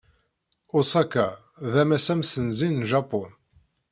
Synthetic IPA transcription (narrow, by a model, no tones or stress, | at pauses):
ʊsˤɑkæ | ðæmæsæmsənzinːʒɑpʊn